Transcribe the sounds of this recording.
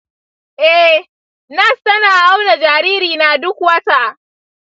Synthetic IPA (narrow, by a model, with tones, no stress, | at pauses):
ʔɛ˦ | na˦stɐ˦naː˨ʔa˦wna˨d͡ʒaː˨ɾiː˦ɾiː˨na˨dʊ˦kwɐ˦ta˦ʔ